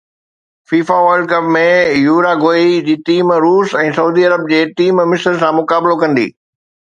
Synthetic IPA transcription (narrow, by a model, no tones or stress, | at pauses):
fiːfaʋəːlɖ̚kɐpmẽjuːɾaɡoːid͡ʑiːʈiːmɾuːsɛ̃ːsɐuːd̪iɐɾəb̚d͡ʑeːʈiːmmɪsəɾsãmʊkaːbɪlokɐ̃nd̪ḭː